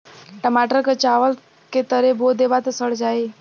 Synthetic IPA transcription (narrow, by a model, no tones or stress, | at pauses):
ʈəmaːʈəɾket͡ʃaːʋəl | ket̪əɾeboːd̪eːbat̪esəɽd͡ʒaːi